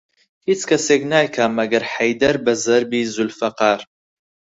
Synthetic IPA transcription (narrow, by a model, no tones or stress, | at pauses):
hit͡sʰkʰɐseɡnaːjkʰaːmɐɡɐrħajdɐrbɐzɐrbizulfɐqaːr